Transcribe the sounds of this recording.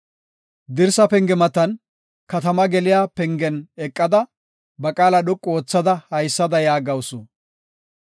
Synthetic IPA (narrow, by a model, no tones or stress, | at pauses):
d̪ɪɾsɐpɛŋɡɛmɐt̪ɐn | kɐt̪ɐmɐɡɛlɪjaːpɛŋɡɛnɛkʼːɐd̪ɐ | bɐkʼaːlɐɗʊkʼːo̞ːt͡sːɐd̪ɐhɐjsːɐd̪ɐjaːɡɐwsʊ